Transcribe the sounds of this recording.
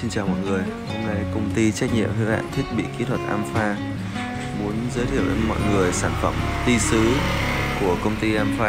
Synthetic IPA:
si˧nt͡ɕaː˨˩wmɔ̰˧˨jŋɨ˨˩əj | ho˧mna˧jkə˧wŋ͡mt̪i˧t͡ɕa˦˥k̚ɲḭ˧˨əmhɨ̰˧˥ha̰ː˧˨nt̪ʰi˦˥ət̚ɓḭ˧˨ki˨˦t̪ʰwə˨˩t̚ʔaː˧mfaː˧ | mu˨˦ənzəː˨˦jt̪ʰi˧˨əwʔmɔ̰˧˨jŋɨ˨˩əjsaː˧˩nfə̰˧˩mt̪i˧sɨ˨˦ku˧˩əkə˧wŋ͡mt̪i˧ʔaː˧mfaː˧

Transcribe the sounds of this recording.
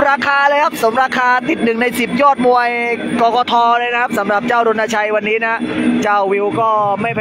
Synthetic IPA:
ɾaː˧kʰaː˧lɤː˧jkʰa˦˥p̚sa˩˦mɾaː˧kʰaː˧t̪i˨˩t̪̚nɯ˨˩ŋna˧jsi˨˩p̚jɔː˥˩t̪̚mu˧ɐjkɔː˧kɔː˧t̪ʰɔː˧lɤː˧jna˦˥kʰa˦˥p̚sa˩˦mɾa˨˩p̚t͡ɕaː˥˩wɾo˧nːaː˧t͡ɕʰa˧jwa˧nːiː˦˥na˦˥t͡ɕaː˧˩wwi˧wkɔː˥˩ma˥˩jpʰ

